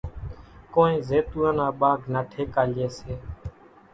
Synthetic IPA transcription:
koːnẽːzeːt̪uːə̃naːɓaːɡʱnaːʈʰeːkaːleːseː

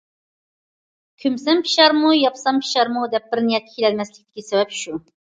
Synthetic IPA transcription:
kʲʰymsɛmpʰi̥ʃɑɾmujɑpsɑmpʰi̥ʃɑɾmud̪ɛp̚bɪɾnijɛt̪̚kːʰʲi̥kʰilɛlmɛslɪk̚ʲt̪ɪ̥kʲːɛsɛbɛpʃu

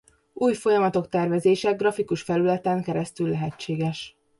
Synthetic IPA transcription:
uːjfo̞jɒmɒt̪o̞kt̪ɛrvɛzeːʃɛɡrɒfikuʃfɛlylɛt̪ɛŋkɛɾɛst̪ylːɛɦɛt͡ʃːeːɡɛʃ

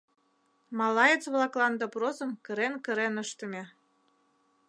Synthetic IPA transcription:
mɑlɑjət͡sβlɑklɑnd̪oprozə̆mkə̆ɾenkə̆ɾenəʃt̪ə̆mʲe

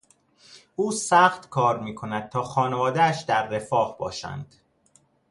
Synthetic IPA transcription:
ʔuːsæːxt̪kʰɒːɾmiːkʰo̞næd̪̥̚t̪ʰɒːxɒːne̞vɒːd̪eæʃd̪æɾːe̞fɒːhbɒ̰ːʃæ̰nd̪̥

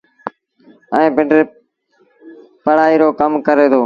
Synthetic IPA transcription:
ɛ̃ːpɪ̃ɳɖɾeː | pəɽ̤aːiːɾoːkəmkəɾeːt̪ʰoː

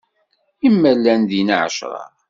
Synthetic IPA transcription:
imːælːænd̪inʕ̰ʃɾˤɑ̰

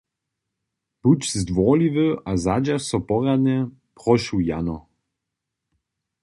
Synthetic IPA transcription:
b̥ut͡ɕzd̪vɔlivəazad͡ʑasɔpɔʁad̪nʲɛ | pʁɔʃuwjanɔ

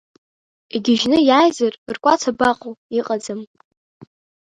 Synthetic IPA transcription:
iɡʲɪʒnɨjajzarʼrkʷʼat͡sʰabaqʼoiqʼad͡zɨm

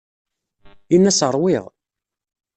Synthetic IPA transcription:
inːæsəɾˤwiʁ

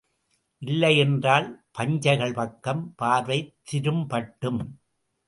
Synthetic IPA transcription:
ʔɪlːɐjɛndraːlpɐɲd͡ʒɐɪɣɐɭpɐkːɐmpaːɾʋɐɪt̪ːɪɾɯmpɐʈːɯm

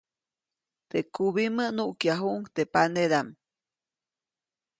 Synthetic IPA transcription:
t̪ekuβimənuʔkjaɦuʔŋkt̪epaneɾam

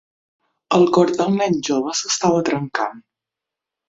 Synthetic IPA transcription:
əlˠkoɾd̪ɔŋnɛɲʒoβəsəst̪aβət̪ɾəŋka̰n

